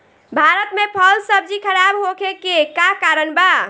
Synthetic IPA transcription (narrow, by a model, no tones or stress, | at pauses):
bʱaɾət̪mepʰəlsəbd͡ʒikʰəɾabɦokʰekekakaɾənba